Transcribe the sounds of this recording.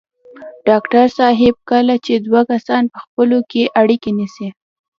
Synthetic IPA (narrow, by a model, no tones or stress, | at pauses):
ɖ̥ɑkʈaɾsɑɦɪb̚kəlat͡ʃed̪wakasɑnpəxpəlokeʔaɽikenisi